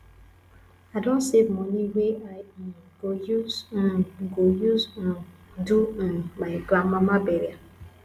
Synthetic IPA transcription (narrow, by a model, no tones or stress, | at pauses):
adõntsevmɔ̃niweʔaɪɡojuzãnɡojuzãn | duɛ̃nmaɪɡlãmːãmabɛɾia